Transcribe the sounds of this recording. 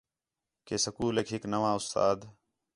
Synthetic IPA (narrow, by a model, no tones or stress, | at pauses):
keːsəkuːleːkɦɪknəʋãːʊst̪a̰ːd̪